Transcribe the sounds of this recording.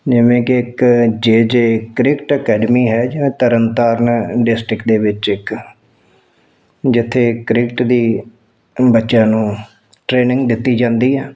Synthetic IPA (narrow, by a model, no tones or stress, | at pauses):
d͡ʒɪʋẽːkɪɪkd͡ʒeːd͡ʒeːkɾɪkʈəkɛːɖəmiːɦɛːd͡ʒɪʋẽːt̪əɾənt̪aːɾnɖɪsʈɾɪkd̪eːʋɪt͡ʃɪk | d͡ʒɪt̪ʰːeːkɾɪkʈd̪iː | bətːʃjãːnũː | ʈɾeːnɪ̃ŋɡd̪ɪt̪ːiːd͡ʒãːnd̪iːɦɛː